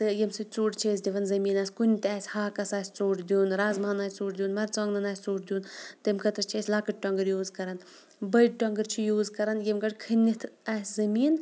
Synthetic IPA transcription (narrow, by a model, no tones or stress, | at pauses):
t̪ɨjemsɨt͡suːʈt͡ʃʰeːs̬ʲd̪ʲiʋɐnzɐmiːnaːsʲkunʲit̪ʲaːsʲhaːkɐsaːsʲt͡soːʈd̪ʲuːnɾaːzmanaːsʲt͡suːʈd̪juːnmɐɾt͡sɐŋɡnɐnaːsʲt͡soːʈd̪juːnt̪mkɐt̪ɾt͡ʃʰeːsʲlaːkɨʈ̚ʈɔŋɡəɾjuːzkɐɾɐn | bɐjʈ̚ʈɔŋɡəɾt͡ʃʰijuːzkɐɾɐnjemɡɐʈkʰɨnʲːit̪ʰaːsʲzɐmiːn